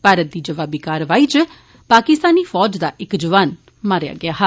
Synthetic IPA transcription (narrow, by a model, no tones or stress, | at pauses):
paːɾət̪̚d̪iːd͡ʒəʋaːbiːkaːɾʋaːiːt͡ʃ | paːkɪst̪aːniːfʰɔːd͡ʒd̪aːʔɪkd͡ʒəʋaːn | maːɾja̰ːɡɪaːɦɛ